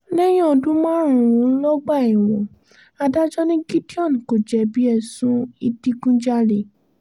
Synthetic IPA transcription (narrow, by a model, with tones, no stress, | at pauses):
nɛ˦j̃ɔ̃˦˨˧dũ˦mãː˦ɾ̃ũ˨ɾũ˨˦lɔ˦ɡ͡ba˦˨i˨w̃ɔ̃˨ | a˧da˦d͡ʒɔ˦nĩ˦ɡi˦ti˦ɔ̃˦˨n˨ko˨d͡ʒɛ˨bi˨˦ɛ˧sũ˦i˧ti˦ɡũ˦d͡ʒa˦ɾe˨